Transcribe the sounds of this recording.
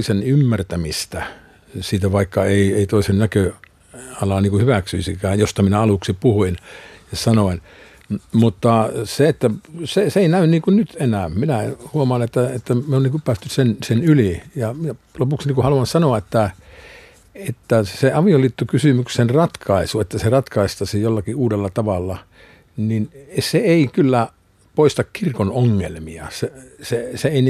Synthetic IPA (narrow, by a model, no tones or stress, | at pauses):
isenymːært̪æmist̪æ | siːt̪æʋɑikːɑeieit̪oisennækø | ɑlɑniːkuhyʋæksyisikæːjjost̪ɑminæɑluksipuhuinjɑsɑnoin | mut̪ːɑseet̪ːæseseinæynniːŋkunnyt̪enæːmminæenhuomɑnet̪ːæet̪ːæmeoniŋkupæːst̪ysensenylijɑjɑ | lopuksniːkuhɑluɑnsɑnoɑet̪ːæ | et̪ːæseɑʋiolˑiːt̪ːukysymyksenrɑt̪kʰɑisuet̪ːæserɑt̪kɑist̪ɑsijolːɑkiuːdelːɑt̪ɑʋɑlːɑ | ninseeikylːæ | poist̪ɑkkirkonoŋːḛlmiɑ̰seseseeˑin